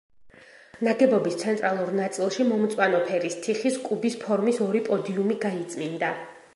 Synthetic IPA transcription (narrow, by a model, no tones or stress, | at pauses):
naɡɛbɔbist̪sʰɛnt̪ʼɾalˠuɾnat̪sʼilˠʃimɔmt̪sʼwanɔpʰɛɾist̪ʰiχiskʼubispʰɔɾmisɔɾipʼɔd̪iumiɡait̪sʼmind̪a